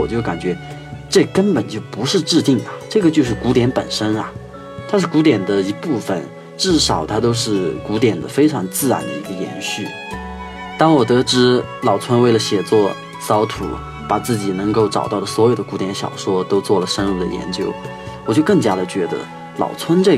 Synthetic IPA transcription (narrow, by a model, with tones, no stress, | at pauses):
wɔ̰˨˩t͡ɕjo˥˩ʊka̰˨˩nt͡ɕɥɛ˧˥ | ʈ͡ʂɤ˥˩kə˥npə˨˩nt͡ɕjo˥˩ʊpu˧˥ʂɻ̩˥˧ʈ͡ʂɻ̩˥˧t̪i˥˩ŋɐ˩ʈ͡ʂɤ˥˩ɡə˩t͡ɕjo˥˧ʊʂ̬ɻ̩˥˩ku˧˥t̪jɛ˧˥npə˨˩nʂə˥nɐ˨ | t̪ʰa˥ʂɻ̩˥˩ku˧˥t̪̬jɛ˨˩nd̪ə˦i˧˥pu˥˩fə̰˨˩n | ʈ͡ʂɻ̩˥˩ʂɑ˨˩ʊt̪ʰa˥t̪o˥ʊʂɻ̩˥˩ku˧˥t̪jɛ˨˩nd̪ə˦fe˥ɪʈ͡ʂʰɑ˧˥ŋt͡sɹ̩˥˩ɻa̰˧˥nd̪ə̰˧ḭ˧˥ɡə˧jɛ̰˧˥nɕy˥˩ | t̪ɑ˥˩ŋwɔ˨˩t̪ɤ˧˥ʈ͡ʂɻ̩˧˥ | lɑ˨˩ʊt͡sʰwə˥nwe˥˩ɪlə˩ɕjɛ˨˩t͡swɔ˥˩ | sɑ˧˥ʊt̪ʰṵ˨˩˦ | pa˨˩t͡sɹ̩˥˩t͡ɕi˨˩nɤ˧˥ŋko˥˩ʊʈ͡ʂɑ̰˨˩ʊt̪ɑ˥˩ʊlə˩swɔ˧˥jo˨˩ʊd̪ə˦ku˧˥t̪jɛ˧˥nɕjɑ̰˨˩ʊʂwɔ˥t̪o˥ʊt͡swɔ˥˩lə˩ʂə˥nu˥˩d̪ə̰˩jɛ̰˧˥nt͡ɕjo˥ʊ | wɔ˨˩t͡ɕjo˥˧kɤ˥˩ŋt͡ɕja˥d̪ə˨t͡ɕɥɛ˧˥d̪ə̰˧ | lɑ̰˨˩ʊt͡sʰwə˥nʈ͡ʂɤ˥˩